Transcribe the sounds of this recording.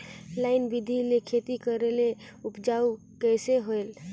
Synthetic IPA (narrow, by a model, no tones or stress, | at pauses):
laɪnbid̪ʱilekʰet̪ikəɾele | upd͡ʒau | kɛjseɦoel